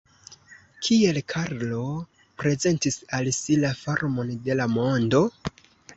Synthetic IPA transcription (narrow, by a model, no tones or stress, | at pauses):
kʰie̞lkʰaɾlo̞ | pɾe̞ze̞ntisalsilafaɾmo̞nde̞lamo̞ndo̞